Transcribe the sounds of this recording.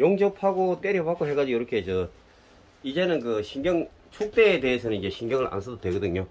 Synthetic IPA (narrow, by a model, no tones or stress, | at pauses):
joŋd͡ʑʌpʰaɡot͈eɾʌpak͈oɦe̞ɡad͡ʑijʌɾʌkʰeɦed͡ʑʌ | id͡ʑe̞nɯnkɯɕʰinɡjʌŋ | t͡ɕʰok̚t͈e̞ːte̞ɦesʰʌnɯnid͡ʑe̞ɕʰiŋɡjʌŋɯɭa̰nsʰʌdodwe̞ɡʌdɯɲo